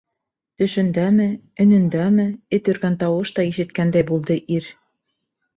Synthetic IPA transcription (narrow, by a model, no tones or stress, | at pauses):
t̪ɵ̆ʃɵ̆nd̪æmɘ | ɵ̆nɵ̆nd̪æmɘɘt̪jɵ̆ɾɡænt̪ɑwɤʃt̪ɑiʃɘ̆t̪̚kænd̪æjbulˠd̪ɤʔiɾ